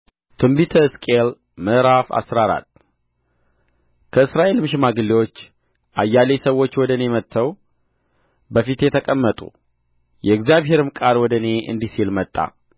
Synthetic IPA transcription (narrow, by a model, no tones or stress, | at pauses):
t̪ʰɨmbit̪ʰəɾskʼel | mɨʔɾafa̰sɾaɾa̰t̪ː | kʰəɨsɾaʔe̞lmɨʃɪmaɡɨlːiwo̞t͡ʃː | ʔajːalesəwːo̞t͡ʃːwɔd̪ənemət̪ʰːəw | bəfit̪jɛt̪ʰəkʼəmːət̪ʼṵ | jɛɪɡzjaβɦe̞ɾɨmkʼalwɔd̪əne̞ʔɨ̰nd̪isilmət̪ʼːa̰